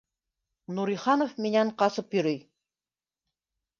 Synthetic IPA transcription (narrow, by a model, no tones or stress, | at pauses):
nuɾiχɑnofminæɴqɑsɤpjɵ̆ɾɵj